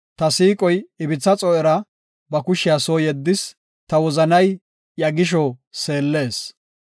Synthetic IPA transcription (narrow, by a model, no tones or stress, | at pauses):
t̪ɐsiːkʼɔjɪbɪt͡sːɐt͡sʼɔʔɛɾɐ | bɐkʊʃɪjasoːjɛd̪ːɪs | t̪ɐwɔzɐnɐj | jɐɡɪʃ̬ɔse̞ːlːe̞ːs